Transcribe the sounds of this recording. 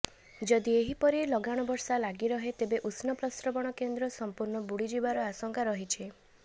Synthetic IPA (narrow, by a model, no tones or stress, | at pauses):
d͡ʒɔd̪ieɦipɔɾilɔɡaɽ̃ɔbɔɾsalaɡiɾɔɦet̪ebeʔusnɔplɔst̪ɾɔbɔɽ̃ɔkend̪ɾɔsɔmpuɾɳɔbuɽid͡ʒibaɾɔasɔŋkaɾɔɦit͡ʃʰi